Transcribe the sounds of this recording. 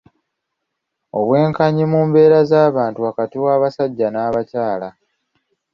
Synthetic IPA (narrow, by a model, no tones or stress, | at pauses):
o̞̰βwe̞ːŋkaɲimuːmbe̞ːɾazaːβaːntuakatiwaːβasaɟːanaːβacaːla